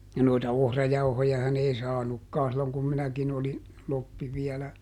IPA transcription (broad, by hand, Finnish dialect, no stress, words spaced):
jɑ noitɑ ohrɑjɑuhojɑhɑn ei sɑːnukːɑː silːoŋ kum minækin oli lopːi ʋiɛlæ